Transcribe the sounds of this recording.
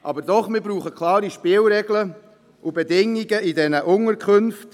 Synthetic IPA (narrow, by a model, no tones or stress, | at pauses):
ʔɑbəɾdɔχmɪɾbɾuːχəkʰlˠɑːɾiʃpɪlɾɛɡlə | ʔʊbedɪŋːiɡəidɛnəʔʊŋəɾkʰχɵnft